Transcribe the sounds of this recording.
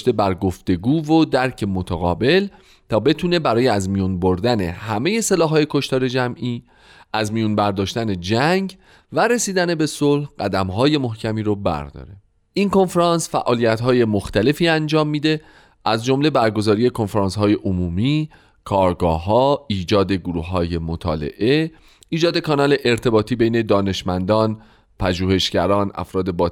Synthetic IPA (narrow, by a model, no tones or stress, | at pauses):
ʃt̪e̞bæɾɡo̞ft̪e̞ɡuːvod̪æɾcʰe̞mot̪ʰæɣɒ̰ːbe̞l | t̪ʰɒːbe̞t̪ʰuːne̞bæɾɒːjeæzmijunboɾd̪æne̞̰hæme̞je̞se̞lɒːɦːɒːje̞kʰo̞ʃt̪ɒːɾe̞d͡ʒæmʔiː | ʔæzmijunbæɾd̪ɒːʃt̪æne̞d͡ʒæŋɟ | væɾe̞siːd̪æne̞be̞solhɢæd̪æmɦɒːje̞mo̞hcʰæmiːɾobæ̰ɾd̪ɒ̰ːɾe̞ | ʔinko̞nfɾɑnsfæʔɒːlijæt̪ɦɒːje̞moxt̪æle̞fiːænd͡ʒɒːmːiːd̪e̞ | ʔæzd͡ʒo̞mle̞bæɾɡo̞zɒːɾije̞kʰo̞nfeɾɑːnshɒːje̞ʔomuːmiː | kʰɒːɾɡɒːɦɒːiːd͡ʒɒːd̪e̞ɡoɾuːhːɒːje̞mot̪ʰɒ̰ːle̞̰ʔe̞ | iːd͡ʒɒːd̪e̞kʰɒːnɒːle̞ʔeɾt̪ʰe̞bɒːt̪ʰiːbejne̞d̪ɒːne̞ʃmænd̪ɒːn | pʰæʒuːhe̞ʃɟæɾɒːnʔæ̰fɾɒːd̪e̞bɒː